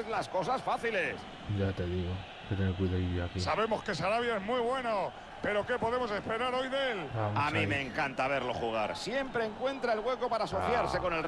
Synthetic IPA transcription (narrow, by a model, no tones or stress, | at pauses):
zlasko̞s̬asfaθile̞s | d͡ʒat̪e̞ðiɣo | ket̪enekwiðaijoakissaβe̞mo̞ske̞saɾaβ̞jaezmwiβwe̞no | pe̞ɾo̞ke̞po̞ðe̞mo̞s̬e̞spe̞ɾaɾo̞jðelaamĩme̞ːŋkant̪aβ̞e̞ɾlo̞χuɣ̞aɾsje̞mpɾeːŋkwẽ̞nt̪ɾaelɣwe̞ko̞paɾaːso̞θjaɾse̞ko̞ne̞lr